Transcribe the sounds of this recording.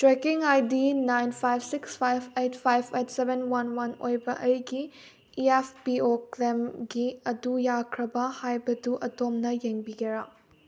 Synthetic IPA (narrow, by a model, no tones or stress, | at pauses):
tɾekiŋajdinajnpʰajbsikspʰajbejtpʰajbejtsebʱenwɐnwɐnojbɐʔɐjɡi | iepʰpioklemɡiɐdujakʰɾɐbɐhajbɐduʔɐtomnɐjeŋbiɡeɾa